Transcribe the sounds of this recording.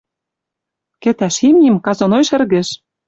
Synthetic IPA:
kĕt̪æʃimʲimkɑzonojʃɘ̆rɣɘ̆ʃ

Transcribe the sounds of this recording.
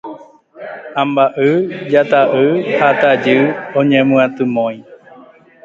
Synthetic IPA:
ãmbaʔɨd͡ʒat̪aʔɨhat̪ad͡ʒɨõɲẽmɨ̃ãt̪ɨmõj̃

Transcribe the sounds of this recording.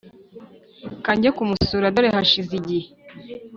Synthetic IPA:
kaɲɟakumusuːɾadoɾehaʃiziɟih

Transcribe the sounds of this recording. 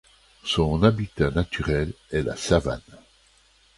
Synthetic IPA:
sɔ̃nabit̪anat̪yʁɛl | ɛla̰sava̰n

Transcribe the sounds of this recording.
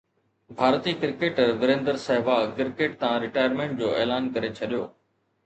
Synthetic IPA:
bʱaːɾt̪iːkɪɾɪkeːʈəɾnʊɾẽːnd̪əɾsɐɦɪbaːkɪɾkeːʈ̚t̪ɐãɾɪʈaːjəɾmẽːɳʈ̚d͡ʑoːʔeːlaːnkɐɾet͡ɕʰɐɗijoː

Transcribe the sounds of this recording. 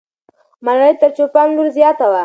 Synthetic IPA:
malɽəjt̪əɾt͡ʃopɑnluɾzjɑt̪awa

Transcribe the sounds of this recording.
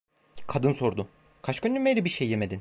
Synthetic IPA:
kʰad̪ɯnso̞ɾd̪ʊ | kʰat͡ʃkønd̪ʲymejɾʲibiɾʃejːemed̪in

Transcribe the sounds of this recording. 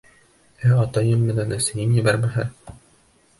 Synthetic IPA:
æɑt̪ɑjɤmːɘ̆nænæsɘ̆jɘnjɘ̆bæɾmæɦɘɾ

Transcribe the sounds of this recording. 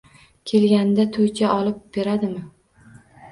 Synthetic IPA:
kʲʰe̞lɡʲand̪at̪ʰot͡ʃʰʲaʔɒlɪp̚b̥e̞ɾad̪ɪmɪ

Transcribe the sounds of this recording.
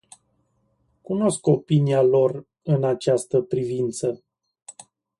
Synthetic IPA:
kuno̞sko̞pinialo̞r | ɨnat͡ʃast̪əpɾivint̪sə

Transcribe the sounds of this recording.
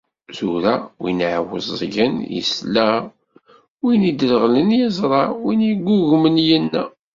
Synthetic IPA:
zuɾæwinʕwə̰zˤːʝənjə̰slæ | winid̪ələʁlənjəzˤɾˤɑwinjəɡʷːʊʝmənjænːæ

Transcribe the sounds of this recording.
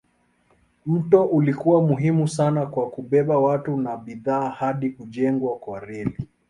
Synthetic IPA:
m̩tɔʔulikuwamuɦimusanakwakuɓɛɓawatunaɓiðaːhaɗikuʄɛŋɡwakwaɾɛli

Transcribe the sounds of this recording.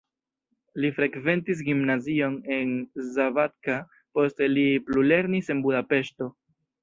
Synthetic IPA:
lifɾe̞kve̞ntis̬ɡimnazio̞ne̞nzavat̚ka | po̞steliplule̞ɾnise̞nbudape̞ʃto̞

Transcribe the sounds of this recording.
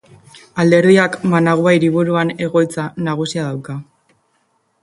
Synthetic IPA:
ald̪e̞ɾðiakmanaɣuajɾiβuɾuane̞ɣo̞jt͡sanaɣusiaðawka

